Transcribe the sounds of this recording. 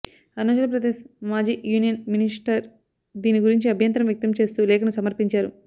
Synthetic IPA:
ɐnoːt͡ʃɐlɐpɾɐd̪eːʃmaːd͡ʒiːjuːnijɐnminisʈɐɾ | d̪iːniɡuɾiɲt͡ʃiɐbʱjɐnt̪ɾɐmjɐk̚t̪ɐmt͡ʃe̞ːst̪uːlɛːkɐnusɐmɐɾpiɲt͡ʃaːɾu

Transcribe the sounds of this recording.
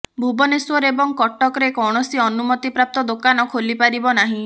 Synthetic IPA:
bʱubɔneswɔɾeebɔŋkɔʈɔkɔɾekɔwɽ̃ɔsiɔnumɔt̪ipɾap̚t̪ɔd̪okanɔkʰolipaɾibɔnaɦĩ

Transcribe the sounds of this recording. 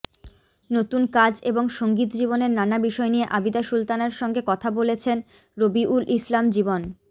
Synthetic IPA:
not̪unkad͡ʑeboŋʃoŋɡit̪d͡ʑiboneɾnanabiʃɔenijeʔabid̪aʃult̪anaɾʃɔŋɡekɔt̪ʰabolet͡ɕʰen | ɾobiʔulʔislamd͡ʑibon

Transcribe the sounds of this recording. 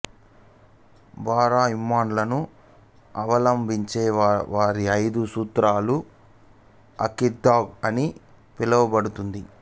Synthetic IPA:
baːɾaːimːaːnlɐnu | ɐʋɐlɐmbʱiɲt͡ʃeːʋaːɾiɐjd̪usuːt̪ɾaːlu | ɐkid̪aːɡɐni | pilɐʋɐbɐɽut̪und̪i

